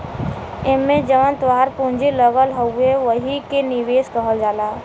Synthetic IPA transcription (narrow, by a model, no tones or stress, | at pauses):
ɪnmẽd͡ʒəʋənt̪ʋaːɾpũnd͡ʒiləɡəlɦəueʋəɦikenɪʋeːskəɦəld͡ʒaːlaː